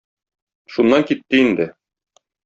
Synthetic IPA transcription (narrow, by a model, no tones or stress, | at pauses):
ʃunːɑŋkit̪ːɘind̪ɘ